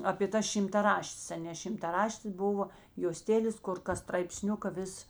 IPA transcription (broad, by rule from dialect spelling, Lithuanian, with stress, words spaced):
ɐpʲeː tɐ ʃʲɪmtɐˈrɑːʃʲtʲeːs ɐˈnʲeː ʃʲɪmtɐˈrɑːʃʲtʲeːs ˈbʊʋoː joːˈsʲtʲæːlʲeːs ˈkʊr kɐs strɐɪpʲˈsʲnʲʊkɐ ˈʋʲɪs